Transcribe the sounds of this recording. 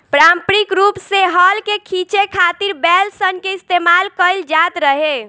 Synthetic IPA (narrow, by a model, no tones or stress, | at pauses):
pɾampɾikɾupseɦəlkekʰit͡ʃekʰat̪iɾbɛlsənkeist̪emalkəɪld͡ʒat̪ɾəɦe